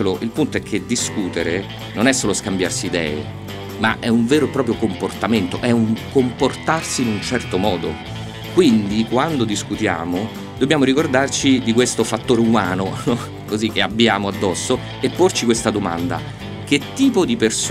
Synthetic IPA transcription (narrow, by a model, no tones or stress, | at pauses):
loʔilpunt̪oɛkʰːed̪iskuːt̪eɾe | nonɛsːoːloskambja̰rsiːd̪ɛ̰ːḛ | ma̰ʔɛuɱveːɾopɾɔːp̬ɾjokomport̪ament̪oʔɛuŋkomport̪arsiːnunt͡ʃɛrt̪omɔːd̪o̰ | kwind̪ikwand̪od̪iskut̪ja̰ːmo | d̪obːjaːmoɾikord̪art͡ʃid̪ikwest̪ofat̪ːoːɾeumaːnonɔ | kozikːeabːjaːmoad̪ːɔsːo | epːort͡ʃikwest̪ad̪oma̰nd̪a̰ | k̟et̪ːiːpod̪ipers